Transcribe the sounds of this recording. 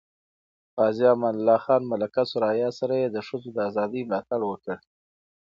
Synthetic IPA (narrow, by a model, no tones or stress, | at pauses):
fɑzijɑmanlːɑxɑnmalakasʊɾɑjɑsaɾajed̪əʂəzod̪əazɑd̪əjmlɑt̪aɽwəkəɽ